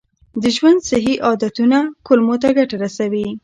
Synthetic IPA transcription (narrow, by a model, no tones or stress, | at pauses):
d̪əʒwand̪sɪɦiʔɑd̪at̪unakʊlmot̪aɡaʈaɾasawi